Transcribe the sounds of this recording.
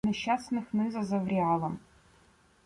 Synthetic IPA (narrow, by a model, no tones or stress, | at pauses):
nɛɕasnɨxnɨzɐzɐvrʲialˠɐm